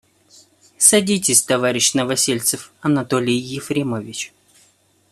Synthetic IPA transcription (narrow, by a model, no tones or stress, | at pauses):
sɐdʲitʲɪsʲt̪ɐvaɾʲɪɕnəvɐsʲelʲt̪sɨfɐnɐt̪o̞lʲɪjjɪfɾʲɪmovʲɪt͡ɕ